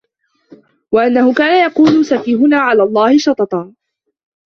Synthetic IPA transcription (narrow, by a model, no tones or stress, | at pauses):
waʔanːahʊkaːnajɑquːlʊsafiːɦʊnaːʕalaːlˤːɑːhɪʃɑt̪ˤɑt̪ˤɑː